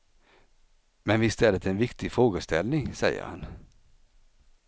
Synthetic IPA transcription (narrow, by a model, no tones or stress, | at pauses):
mɛnʋɪst̪ɛlːət̪ʰɛːnvɪkt̪ɪfɾoːɡəst̪ʰɛlnɪŋsɛjːə̰ɾha̰n